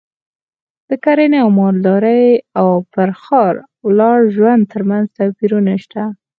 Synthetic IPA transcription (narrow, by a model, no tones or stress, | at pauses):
d̪̥əkaɾeneawmɑɾd̪ɑɾəjawpəɾxɑɾ | wlɑɽʒwand̪̚t̪əɾmanzt̪apiɾunaʃt̪a